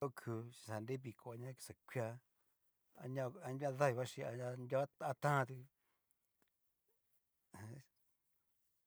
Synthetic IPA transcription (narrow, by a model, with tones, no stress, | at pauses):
o˦˧kʰu˧ʃi̥˧sa˨nɾe˦βi˧˨ko˨a˧ɲã˦ki̥˧sa˨kʷʰi˦a˧ | a̰˧ɲã˦˧a˧ndʲã˦ða˦i˧βa˦ʃĩ˧a˧a˧nd̪ʲo˦a˧t̪ã˦ã˧t̪i˧˨˦